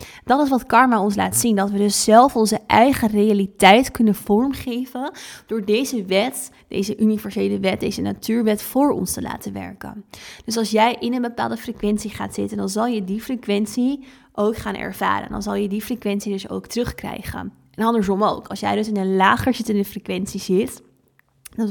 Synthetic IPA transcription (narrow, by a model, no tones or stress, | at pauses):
d̥ɑtɪs̬ʋɑtkɑɹmaɔns̬la̰ːtsindɑtʋədɵsːɛlˠfɔnzəʔɛjχərejalitɛjtkɵnənv̥ɔɹmχejvənd̥ʊːɹdejzəʋɛt | d̥ḛjzəʔynivɛɹzejləʋɛt̚dejzəna̰tyːɹʋɛtfʊːɹɔ̰nstəla̰ːtənʋɛ̰ɹkə̰nd̥ɵs̬ɑlˠsjɛjʔɪnənbəpa̰ːlˠdəfrəkʋɛntsiχaːtz̥ɪtəndɑnzɑlˠjədifrəkʋɛnsi | ʔowkχaːnɛ̰ɹv̥a̰ːɾə̰ndɑ̰nzɑlˠjədifrəkʋɛntsidɵso̰wktərɵχkrɛ̰jχə̰n | ɛnɑndəɹsɔmo̰wkɑlˠsjɛjdɵs̬ɪnənlaːχəɹzɪtəndəfrəkʋɛntsizɪt | dɑn